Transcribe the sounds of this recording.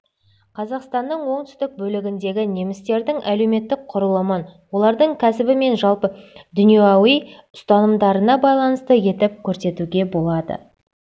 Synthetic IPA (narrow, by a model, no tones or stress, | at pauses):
qʰɑzɑqst̪ɑnːəɴwo̞ɴt̪ʏ̥st̪ɪk̚bɵlɪɡʲɪnd̪e̞ɡʲɪne̞mɪst̪e̞ɾd̪ɪŋʔæle̞me̞t̪ːɪk̚qʰʊɾəlˠəmənwo̞lˠɑɾd̪əɴkʲʰæsɪbɪme̞nʒɑlˠpəd̪ʏnijeɑwij | ʊst̪ɑnəmd̪ɑɾənɑbɑjlˠɑnəst̪əje̞t̪ɪp̚kʲʰɵɾse̞t̪uɡʲe̞bo̞lˠɑd̪ə̰